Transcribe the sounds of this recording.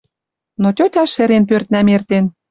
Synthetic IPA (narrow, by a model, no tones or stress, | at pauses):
not̪ʲøt̪ʲɑʃĕɾenp̬ørt̪̚næmert̪en